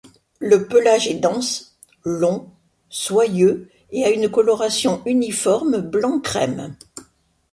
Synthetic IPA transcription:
ləpəlaʒɛd̪ɑ̃s | lɔ̃ | swajø | eaynkɔlɔʁasjɔ̃ynifɔʁmblɑ̃kχɛ̰m

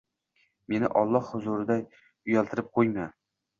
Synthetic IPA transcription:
me̞nɪ̰ʔɒlˠːɒhhʊzʊɾɪd̪aj | ʊjalt̪ʰɪɾɪp̚qʰojma

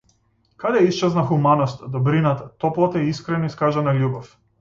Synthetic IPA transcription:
kad̪ɛist͡ʃɛznaxumanɔst̪ad̪ɔbɾinat̪at̪ɔplˠat̪aɛiskɾɛnoiskaʒanalʲubɔf

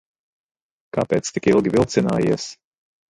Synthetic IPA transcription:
kaːpɛːt̪st̪ikilˠɡʲivilˠt̪sina̰ːjiɛs

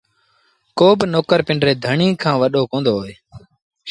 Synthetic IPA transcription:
koːbnoːkəɾpɪɳɖɾeːd̪ʱəɳĩːkʰãːʋəɗoːkõːnd̪oːɦoeː

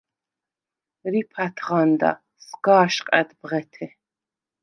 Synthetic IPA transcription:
ɾipʰat̪ʰʁand̪a̰ | sɡaːʃqʼɛt̪bʁɛt̪ʰɛ

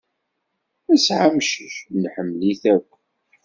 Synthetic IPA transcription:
æsʕamʃəçnħəmːliθækʷː

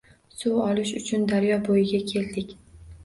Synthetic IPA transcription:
sʊɒlɪʃʊt͡ʃʰʊnd̪aɾjɒbojɪɡʲakʲʰe̞ld̪ɪkʲ

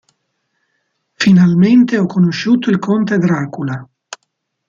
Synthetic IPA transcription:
finalment̪eɔkːonoʃːuːt̪oilkʰont̪eɡ̪ɾaːkula

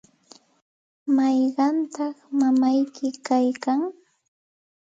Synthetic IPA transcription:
mɑjɢɑnt̪ɑχmamajkɪkajkaŋ

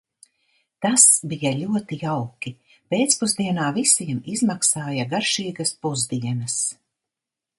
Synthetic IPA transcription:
t̪asbijalʲuɔt̪ijawki | peːt̪spuzd̪iɛnaːvisiɛmizmaksaːjaɡaɾʃiːɡɐspuzd̪iɛnɐs

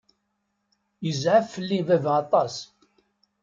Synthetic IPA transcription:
jəzʕafːəlːivævɑt̪ˤɑs

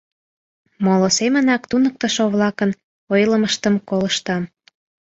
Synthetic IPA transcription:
molosemənɑkt̪unək̚t̪əʃoβlɑkən | ojləməʃt̪əmkoləʃt̪ɑm

